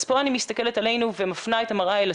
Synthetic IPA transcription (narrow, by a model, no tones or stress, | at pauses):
spoanimist̪ɐke̞let̪ale̞jnuvemafnaet̪amaʁaela